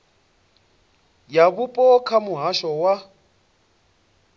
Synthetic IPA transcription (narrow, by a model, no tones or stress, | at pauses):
jaβupʼɔkʰamʊɦaʃɔwa